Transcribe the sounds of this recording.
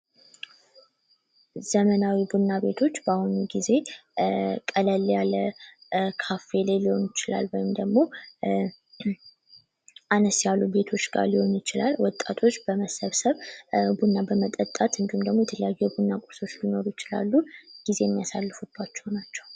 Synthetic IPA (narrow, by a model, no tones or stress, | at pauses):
z̥əmənawibunːabe̞t̪ʰo̞t͡ʃːbahunɡize̞ | kʼələljalə | kʰafe̞leliho̞njɪt͡ʃɪla̰lwɔjɪmd̪əɡmo̞ | ʔanəsjalːube̞t̪ʰo̞t͡ʃːɡa̰ɾliho̞njɪt͡ʃɪla̰lwɔt̪ʼːat̪ʰo̞t͡ʃːb̥əməsəβsəβbunːabəmət̪ʼət̪ʼːat̪ɨnd̪ihumd̪əɡmo̞jɛt̪ʰələjajːujɛbunːakʼoso̞t͡ʃːlino̞ɾujɪt͡ʃɪla̰lːuɡ̥ize̞jmːijasalːɨfub̥ːat͡ʃːɛwnat͡ʃːɛw